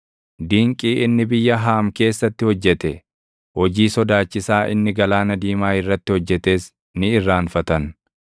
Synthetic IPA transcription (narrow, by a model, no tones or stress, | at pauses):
d̪iːŋkʼiːʔɪnːɪbɪjːɐɦaːmke̞ːsːɐt̪ːɪhɔd͡ʒːɛt̪ɛ | hɔd͡ʒiːsɔd̪aːt͡ʃːɪsaːʔɪ̰nːɪɡɐlaːnɐd̪iːmaːɪrːɐt̪ːɪhɔd͡ʒːɛt̪e̞ːs | nɪɪrːaːnfɐt̪ɐn